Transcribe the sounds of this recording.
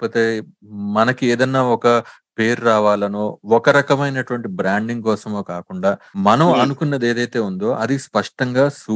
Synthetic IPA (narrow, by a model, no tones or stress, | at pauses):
ɐpoːt̪e̞ː | mɐnɐkieːd̪ɐnːaːɔkɐ | peːɾɾaːʋaːlɐnoːɔkɐɾɐkɐmɐjnɐʈuʋɐɳʈibɾaːɳɖiŋɡkɔːsɐmo̞ːkaːkuɳɖaːmɐnɐmɐnukunːɐd̪e̞ːd̪ɐjt̪e̞ːund̪o̞ːʔɐd̪ispɐʂʈɐŋɡaːsu